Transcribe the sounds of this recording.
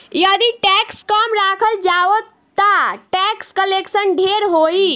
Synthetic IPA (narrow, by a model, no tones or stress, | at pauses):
jəd̪iʈɛkskəmɾakʰəld͡ʒaʋət̪ːəʈɛkskəleksənɖʱeɾɦoi